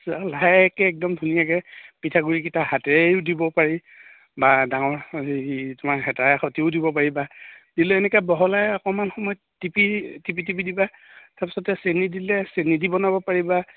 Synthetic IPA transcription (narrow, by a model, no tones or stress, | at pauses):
salajkɛːk̚dɔmdʱunijakɛpitʰaɡuɹikitʰaɦatɛdibɔpaɹi | badaŋɔɹ | tʊmaɹɦɛtaɛxɔtiʊdibɔpaɹibad̥ilʊɛnɛkabɔɦɔlajɔkɔmanxɔmɔjɔttipitipitipidiba | taɹpasɔtɛsenidilɛsenidibɔnabɔpaɹiba